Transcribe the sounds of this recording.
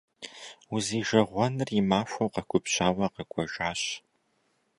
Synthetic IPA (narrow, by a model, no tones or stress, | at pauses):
uziːʒɐʁʷɔnɨrimaːɕʷɐwqɐkʷʰʼʊpɕaːwɐqɐɡʷʼɔʒaːɕ